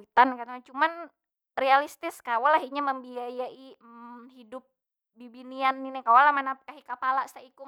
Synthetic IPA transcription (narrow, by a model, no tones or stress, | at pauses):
it̪ankat̪aat͡ʃuman | realist̪ɪskawalaɦiɲaməmbiajaʔihidʊp̚ | bibinianːinɛkawalamanakaɦikapalasaikʊ